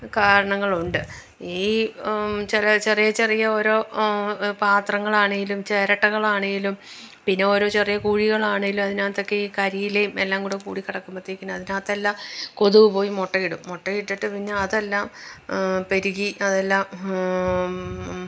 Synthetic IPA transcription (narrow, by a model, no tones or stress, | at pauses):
kaːɾɐɳɐŋːɐɭuɳɖɨ | iː | t͡ɕilɐt͡ɕe̞rijɐt͡ɕerijɐo̞ːɾo̞ː | paːt̪rɐŋːɐɭaːɳeŋɡilumt͡ɕe̞ːɾɐʈːɐɣɐɭaːɳeŋɡilum | pinːe̞o̞ːɾo̞ːt͡ɕerijɐkuːɻiɣɐɭaːɳeŋɡilumɐðinaːt̪ːo̞kːe̞iːkɐɾijilejumelːaːŋkuːɽekṵːɽikːɐɽɐkːumɐt̪ːiikʲːunːuɐðinaːt̪ːelːaːmko̞ðuʋɨpo̞ːjimoʈːɐɣiɽumːoʈːɐjiʈːiʈːɨpɐiɲːaɐðelːaːm | pe̞ɾuɣiʔɐðe̞lːaːm